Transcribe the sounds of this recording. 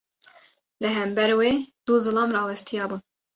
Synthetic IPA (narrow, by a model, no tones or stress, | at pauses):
lɨɦɛmbɛɾweːd̪̥uzɨlɑːmrɑːwɛst̪ijɑːbuːn